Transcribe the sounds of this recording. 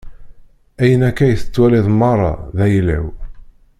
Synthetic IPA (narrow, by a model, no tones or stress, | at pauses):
æjənækːæjθə̥t͡sːwæliðˤmːɑrˤːɑ̰ðæjlæ̰w